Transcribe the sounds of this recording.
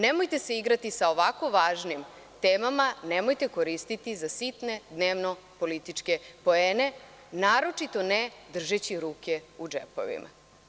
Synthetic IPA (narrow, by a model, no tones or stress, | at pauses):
nemojt̪e̞seiɡɾat̪isao̞ʋako̞ʋaːʒnim | t̪eːmamanemo̞jt̪e̞ko̞ɾist̪it̪izasit̪ne̞d̪neːʋno̞ | po̞lit̪it͡ʂke̞po̞eːne̞ | naːɾo̞t͡ʂit̪o̞ned̪r̩ʒet͡ɕiɾuːkʲeud͡ʒḛpo̰ʋḭmʔa̰